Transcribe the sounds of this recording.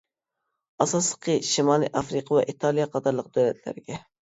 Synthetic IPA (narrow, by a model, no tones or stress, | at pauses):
ɑsɑslˠə̥qʰəʃimɑlˠijʔɑfɾɨqʰɑwɛʔit̪ʰɑlˠijɑqʰɑt̪ʰɑɾlˠəq̚d̪̥ølɛt̪ʰlæ̰ɾɪɡʲɛ